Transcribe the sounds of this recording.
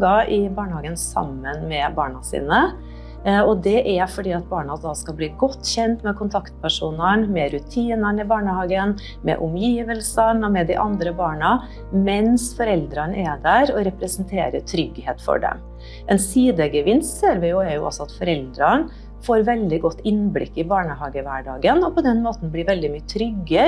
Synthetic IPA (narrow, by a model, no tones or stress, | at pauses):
ɡɑʔɪbɑːɳəhɑːɡənsɑ̰mːənmɛbɑːɳɑsḭːnə | ɔd̪ɛʔæfɔɖiːɑt̪̚bɑːɳɑd̪ɑːskɑbliːɡɔt̪ːçɛnt̪mɛkʰʊnt̪ʰɑkt̪pʰæʂuːnəɳmɛɾʉt̪ʰiːnəɳɪbɑːɳəhɑːɡən | mɛ̰ʔʊmjiːʋəlsənɔmɛd̪ɪʔɑnd̪ɾəbɑːɳɑ | mɛnsfɔɾɛld̪ɾɑnɛd̪æɾɔɾɛpɾɛsənt̪ʰḛːɾə̰t̪ʰɾʏɡheːt̪fɔ̰ɖɛ̰m | ʔɛnsiːd̪əɡəʋɪnst̪seːɾʋɪjʊɛɾjʊʔɔ̰sɔɑt̪fɔɾɛld̪ɾən | foːɾʋɛld̪ɪɡɔt̪ːɪnblɪ̰kːɪbɑːɳəhɑːɡəʋæɖɑ̰ːɡənɔpʰɔd̪ɛnmoːt̪n̩bliːɾʋɛld̪ɪmyːət̪ʰɾʏɡə